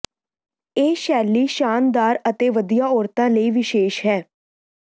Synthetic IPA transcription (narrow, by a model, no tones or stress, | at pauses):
eːʃɛːliːʃaːnd̪aːɾət̪eːʋəd̪ijaːɔːɾt̪ãːləiːʋɪʃeːʃɦɛː